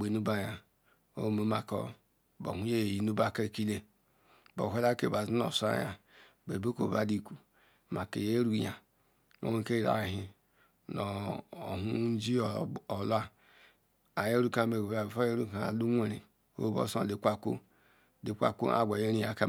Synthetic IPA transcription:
be˨nu˦ba˦ja˨ | o̰˦˨mo˨˦ma˨ko̰˦ | bo̰˨hu˨˦e˦˨ji˨nu˦ba˦˨ka˦˨ki˦le˦ | bo̰˨ɦe˦la˦ke˨ba˨zi˦no̰˨sa̰˦ja˨ | be˨bo˦ko̰˨ba˦di˦kʷu˨ | ma˨kḛ˨je˦ɾu˦ja˨ | o̰˦e˦˨ke˦i˨ɾa̰˨ɦi˨ | no˨o˨ɦu˦n̩˦d͡ʒi˦˨o˨la˦ | a˨je˦ɾu˦ka˦me˨a˨fa˦je˦ɾu˦ka˨a̰˨lu˦ŋʷe˦ɾḭ˨ | o̰˦bo̰˦sdi˨kʷa˦ko̰˦ | di˨kʷa̰˨kṵ˦ʔa̰˨ɡʷa˨je˦ɾi˦ja˨ka˦

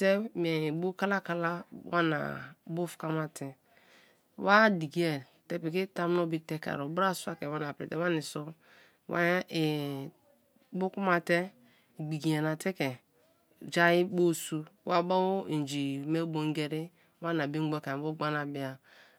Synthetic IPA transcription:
te˦m˨e˨i˨bu˦ka˦la˦ka˦la˦wa˦na̰˨bo˦fka˦ma˨tɛ˨ | wa˦di˨ɡi˨˦e˨te˦pi˨ki˦ta˦m˦no˦bi˦te˦ka̰˨ɾo˨bɾa˦˨su˦a˦ke˨wa˦na˨pɾi˨te˨˦wa˦ni˨so˦ | wa̰˦e˨ | bu˦ku˦ma˨te˦ | ɡ͡bi˨ɡi˨e˨na˨te˦kɛ˨ | d͡ʒa˦ji˦bo˦su˦wa˦ba˦wo˦i˨d͡ʒi˨me˦bo˨˦ŋ˦ɡe˦ɾi˦ | wa˦na˨bi˦ɡ͡bo˦ka˨bo˦ɡ͡ba˦na˨bi˦a˨

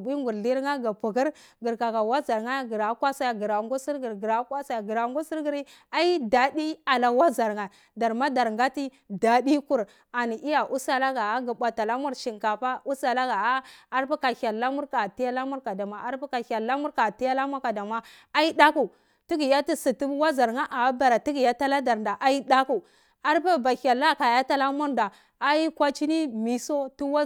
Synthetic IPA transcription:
bi˦ŋɡu˨ɾli˦ɾŋa˦ɡa˨pu˨ɡi˦ɾ | ɡi˨ɾka˨ka˨wa˦za˨ɾŋa˦ɡi˨ɾa˨˦kwa˦sa˦ja˨ɡi˨ɾa˨ŋɡu˦si˦ɾɡi˨ɾɡi˨ɾa˨˦kwa˦sa˦ja˨ɡi˨ɾa˨ŋɡu˦si˦ɾɡi˨ɾi˦ | a˦i˦da˨di˦a˨la˨wa˦za˨ɾŋa˨ | da˨ɾma˦da˨ɾŋ˨ɡa˦ti˦ | da˨di˦ku˨ɾ | a˨ni˨ʔi˦ja˨ʔu˦sa˦la˦ɡa˨a˦ɡa˨ɓʷa˨ta˨la˦mu˦ɾʃi˨ŋka˨pa˦u˦sa˨la˦ɡa˨a˦a˦ɾpa˦ka˨ha˨lːa˦mu˦ɾka˨ti˦ja˦la˦mu˦ɾka˨da˨ma˨ʔa˦ɾpa˦ka˨ha˨lːa˦mu˦ɾka˨ti˦ja˦la˦mʷa˦ka˨da˨ma˦ | a˦i˦da˦ku˨ | ti˦ɡi˨ja˦ti˦si˨tu˦wa˦za˨ɾŋa˦ʔa˨˦ba˨ɾa˨ti˦ɡi˨ja˦ta˦la˦da˨ɾnda˨ʔa˦i˦da˦ku˨ | a˦ɾpa˦ba˨ha˨lːa˦ka˨ja˦ta˦la˦mʷu˦ɾda˨ | a˦i˦kʷa˦t͡ʃi˦ni˦mi˨so˦tu˦wa˦

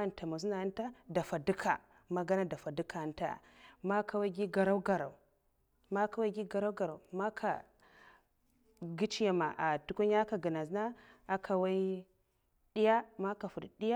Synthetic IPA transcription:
nta˨ma˨zu˦na˨˦n˦ta˦da˨fa˨du˦kʰa̰˨ | ma˦ɡa˦na˦da˨fa˨du˦ka˨nta̰˨ma˦kʰa˨wa˦ɡi˦ɡa˨ɾa˦u˦ɡa˨ɾa̰˨u˨ | ma˦ka˨wa˦ɡi˦ɡa˨ɾa˦wɡa˨ɾa˨ma˦kʰa̰˨ | ɡi˦t͡ʃi˦ja˨ma̰˨ʔa˨tu˨˦ku˦ɲ˦a˦ka˨ɡa˨na˨zna˦a˦kʰa˨wa˦i˦ | ɗi˦ja˦ma˦ka˨fu˨dɗi˦ja˦

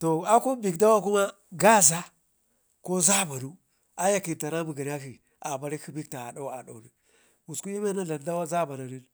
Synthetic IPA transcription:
to˨a˦ko˦bi˨kda˦wa˦ku˦ma˦ | ɡa˦za˦ | ko˦za˦ba˨nu˦ | a˦ja˦ki˨ɾta˨na˦mu˨ɡa˨n˦a˦ki˨ | a˨ba˨ɾi˦ki˦bi˦kta̰˨ɗa˦wa̰˨ɗa˨wni˨ | wu˨sku˦ji˦me˦na˦ɮa˨nda˦wa˦za˦ba˨na˨ɾi˦n

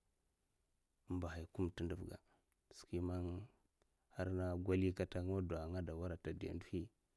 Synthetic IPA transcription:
mba˨ɦa˨jku˦m˨ti˦ndə˨vɡa̰˨ | ski˦ma˦n | ha˦ɾna˦ɡʷa˦li˦ka˦ta˦ŋ˦wa˦da˨ŋa˦da˨wa˦ɾa˨ta˨da̰˨ndu˦hi˦

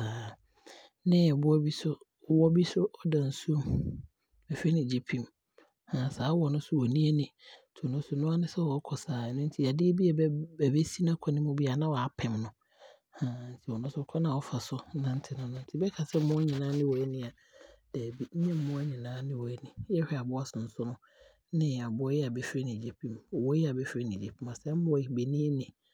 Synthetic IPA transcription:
a˨ | nɪ̃˦˨bʊ˦ɔ˦bi˦sʊ˦˨ | wɔ˦bi˦sʊ˦ʔɔ˦dã˨n̩˨su˦m | ɛ˨fe˦nɪ̃˨d͡ʑi˦pʰĩ˦˨m | hã˨saː˨˦wɔ˨nʊ̃˦sʊ˦wɔ˨nĩ˦e˦nɪ̃˨tʰʊ˨nʊ̃˦sʊ˨nʊ̃˦a˦nɪ̃˦sɛ˦wɔ˨˦kʰɔ˨saː˨˦˨nʊ̃˦n̩˦tʰi˨a˨dɪ˦e˦bi˦ɛ˨bbɛ˨be˦si˦nã˦kʰɔ˦nɪ̃˦mʊ̃˦bi˦a˨˦nã˦wɔ˨a˨pʰɛ̃˨mnʊ̃˨ | hã˨˦n̩˦tʰi˨wɔ˨nʊ̃˦sʊ˦kʰɔ˦nã˨ɔ˦fa˨sʊ˦nã˦n̩˦tʰɪ˨nʊ̃˦nʊ̃˦n̩˦tʰi˦bɛ˦kʰa˨sɛ˦m˦mʊ̃˦ɲĩ˨nãː˦nɪ̃˦wɔ˨ɛ˦nɪ̃˦a˨ | d̥ɛ˨bi˦ɲ̩˦ɲɛ̃˦m̩˦mʊ̃˦a˦ɲĩ˨nãː˦nɪ̃˦wɔ˨ɛ˦nɪ̃˨˦jɛ˦hᶣɛ˦˨a˨bʊ˦a˦sʊ̃˨n̩˦sʊ˦nʊ̃˦ | nɪ̃˦a˨bʊ˦jɛ˦a˨bɛ˦fɾe˦nɪĩ˨d͡ʑi˨pĩ˨mɔ˨wɔ˦jɛ˦a˨bɛ˦fɪ˦ɾe˦nĩ˨d͡ʑi˨pmã˨sɛ˦mʊ̃˦wi˨be˨nĩ˦e˦nɪ̃˨

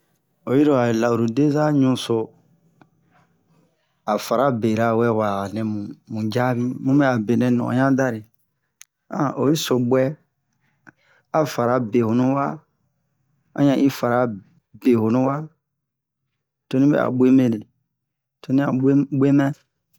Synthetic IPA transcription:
o˨ji˦ɾo˨a˨la˨u˨ɾu˨de˦za˦ɲũ˦so˨ | a˨fa˨ɾa˦be˨ɾa˨˦wɛ˦wa˨nɛ̃˨mũ˨mũ˨d͡ʒa˦bi˦mũ˦mbɛ˦a˨be˨nɛ̃˨nɔ̰̃˨ɲã˦da˦ɾi˨ | ã˦˨ʔo˨ji˦so˨bwɛ˦ | a˨fa˨ɾa˨be˨ho˨nũ˦wa˦ | ã̰˦ɲã˨ʔi˦fa˨ɾa˨ | be˨ho˨nũ˦wa˦ | to˦nĩ˦bɛ̰˨a̰˨bʷe˦me˦le˨ | to˦nĩ˦a̰˨˦ɡ͡bʷe˦mɛ̃˦

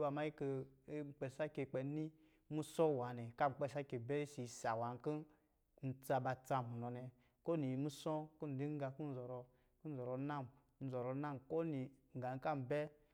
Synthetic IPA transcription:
wa˧˨ma˦i˦ke˧˦ŋ͡m̩˨k͡pe˧sa˦ke˧k͡pe˧˦ni˦ | mu˦sɔ˦˨wa˨nɛ˨ka˦m̩˨k͡pe˦˧sa˦ke˨bɛ˦si˨sa˨wa˨ŋ˦ki˦ | n̩˨t͡sa˧ba˧t͡sa˧mu˨nɔ˨nɛ˧ | ko˦ni˨mu˦sɔ˦ku˦n̩˨di˦ŋ˦ɡa˧ku˦n̩˦zɔ˨ɾɔ˧ | ku˦n̩˦zɔ˨ɾɔ˧˦na˦˨m | n̩˨˦zɔ˨ɾɔ˧˦na˦˨mko˦ni˨ŋ̩˨ɡa˨ŋ̩˦ka˦m˨bɛ˦

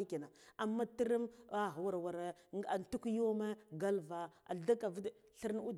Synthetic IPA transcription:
i˦ki˨na˨a˨mːa˦ti˦ɾi˦ma˨ɦa˨wa˨ɾwa˨ɾa˨ntu˦kjo˦me˦ɡa˦lva˨a̰˨da˦ka˨vi˦d | ɬi˦ɾn˦u˦d

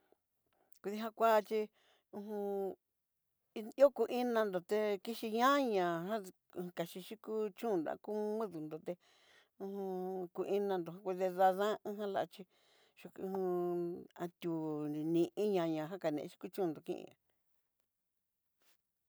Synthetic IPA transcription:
kʷu˧ðe˧ɦã˦kʷa˦˧t͡ʃi˧ | ũ˧ɦũ˧˦ | o˦ku˧ʔĩ˦nã˧nd̪o˨t̪e˧ki˦ʃi˧ɲã˦ɲã˨ɦã˦˧ | ũ˧ka˨ʃi˧ʃi˦ku˦t͡ʃũː˦˨d̪a̰˧˦ku˦mĩ˦ðu˨nd̪o˨t̪e˧ | ũ˧hũ˧ku˧ʔi˧˦nã˧nd̪o˨ã˦˧kʷu˧ðe˧ða˧ðã˦ɦã˦la̰˧˨˧t͡ʃi˧ | ʃu˧kũ˧hũ˧a˧t̪ʲu˨nĩ˨ʔĩ˦ɲã˧ɲã˨ɦa˦ka˨nḛ̃˧ʃi̥˦ku˦t͡ʃũ˦˧nd̪o˨kḭ̃˦˧ʔḭ̃˧a̰˨

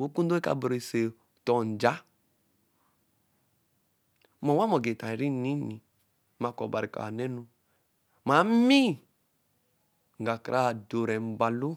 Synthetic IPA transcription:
o˦ku˦do˦e˦ka̰˨bɾe˨se˨ | tɔ˨n˨d͡ʒa˦ | mɔ˨wa˦mɔ˨ɡe˨ta˨ɾi˦ni˦ni˨ | ma˨kɔ̰˨ba˨ɾi˨ka̰˨nɛ˦nu˨ | ma˨˦mi˦˨ | ŋ̩˨ɡa˨ka˨ɾa˦˨do˨ɾɛ˨m̩˨ba˨lu˦

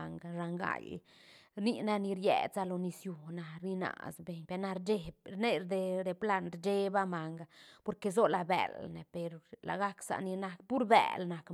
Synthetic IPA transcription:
ŋɡa˧ʃa˧ŋɡa̰˧˨j | ɾni˧na˦ni˧ɾjḛ˧˨t͡sa˧lo˧ni˧sju˧na˧ɾi˧na̰˧˨sbe˧˨ɲpe˧na˧ɾd͡ʒe˦bɾne˦ɾd̪e˧d̪e˧pla˦˧nɾd͡ʒe˦ba˦ma˨ŋɡapo˧ɾke˧zo˦la˧bḛ˨lne˨pe˧ɾla̰˨ɡa˦ksa̰˧ʔni˧na˧k̚pu˦ɾbḛ˨lna˨k

